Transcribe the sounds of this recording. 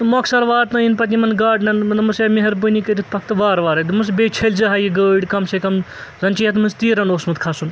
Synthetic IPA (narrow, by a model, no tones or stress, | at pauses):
mɐksɐɾʋaːɾt̪nɐinpɐt̪ʲimɐnɡaːɖnɐnnɐmɐsjaːmeɦɐɾbɨnikɐɾʲit̪ʰpʰɐkʰt̪ɨʋaːɾʋaːɾɐd̪mɨsbet͡ʃʰɐlʲzɐɦaːjiɡəːɖkɐmsekɐmzɐnt͡ʃijɐt̪mɨnst̪iːɾɐnoːsmɨt̪kʰɐsun